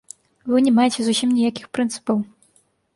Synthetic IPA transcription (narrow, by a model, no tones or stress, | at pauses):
vɨnʲɛmajet͡sʲɛzusʲimnʲijakʲixpɾɨnt̪sɨ̥pɐw